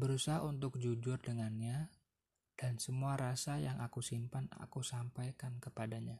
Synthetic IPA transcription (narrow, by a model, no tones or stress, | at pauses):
bəɾusaɦaunt̪ʊk̚d͡ʒud͡ʒʊrdəŋanɲa | d̥ansəmuaɾasajaŋʔakusimpana̰kusampajkankəpadaɲa